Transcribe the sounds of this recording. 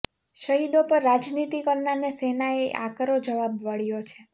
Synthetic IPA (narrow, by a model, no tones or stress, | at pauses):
ʃəɦid̪opəɾːad͡ʒnit̪ikəɾnanesenaeʔa̰kɾod͡ʒəʋabʋəɭjot͡ʃʰe